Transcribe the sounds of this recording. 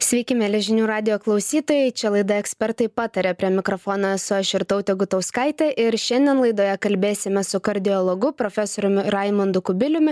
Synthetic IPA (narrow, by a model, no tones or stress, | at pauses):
sʲʋʲɛɪkʲɪmʲɛlʲɛʒʲɪnʲuːɾɑːd̪ʲɪjoːklˠɐʊsʲiːt̪oːjɛɪt͡ʃʲɛlˠɐɪd̪ɐɛksʲpʲɛɾt̪ɐɪpɑːt̪ɐɾʲeːpʲɾʲiɛmʲɪkɾoːfoːnɐsʊɐʃʲɪɾt̪ɐʊt̪ʲɛɡʊt̪ɐʊskɐɪt̪ʲɛʔɪɾʃʲɛnʲd̪ʲiɛnlˠɐɪd̪oːjɛkɐlʲbʲeːsʲɪmʲɛsʊkɐɾʲd̪ʲɪolˠoɡʊpɾoːfʲɛsoːɾʲʊmʲɪɾɑɪmʊnd̪ʊkʊbʲɪlʲʊmʲɪ